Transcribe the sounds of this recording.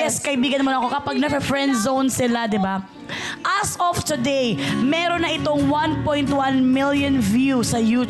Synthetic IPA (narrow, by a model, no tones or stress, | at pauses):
ɛskɐʔɪbiːɡɐnmonɐko̞kɐpaɡ̚nɐfɛfɹɛnd̪zownsɪlad̪ɪba | ʔɐsɔft̪ʊd̪ejmɛːɾonːɐʔɪt̪o̞ŋwanpojnt̪wanmɪljonvjusɐjuː